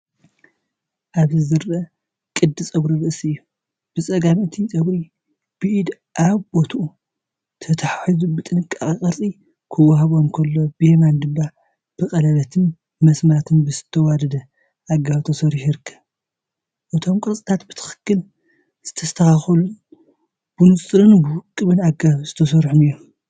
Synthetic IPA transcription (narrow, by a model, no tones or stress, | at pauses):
ʔaβzɨzɨɾʔɐ | kʼɨd̪ːɨt͡sʼɐɡɾiɾɨʔɨsɨɨjːu | b̥ɨsʼɐɡamɨt̪ʰisʼɐɡɾi | b̥ɨʔid̪ | ʔaβbo̞t̪ʰʔu | t̪ʰɐt̪ʰaħaħizubɨt̪ʼɨnɨkʼakʼikʼɐɾt͡sʼi | kʰɨwaɦaβomkʰɐlːo̞bɨjemand̪ɨmba | b̥ɨxʼɐlɐβɐt̪ʰɨn | mɐsmat̪ʰɨnbɨzɨt̪ʰːɐwad̪ɐd̪ɐ | ʔaɡaβt̪ʰɐsɐɾħiɾɨkʰːɐβ | ʔɨt̪ʰo̞mkʼɨɾt͡sʼit̪ʰat̪bɨt̪ʰɨ̥xɨ̥kːɨl | z̥ɨt̪ʰɐst̪ʰɐxaxɐlun | b̥ɨnɨsʼɾɨnbɨwʊkʼːɨβɨnaɡaβzɨt̪ʰɐsɐɾħunijːom